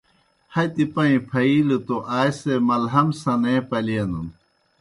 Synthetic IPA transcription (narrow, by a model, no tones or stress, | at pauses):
hɐt̪ipɐĩpʰɐiːlut̪oʔaːjsemɐlɦɐmsɐnepɐliɐnun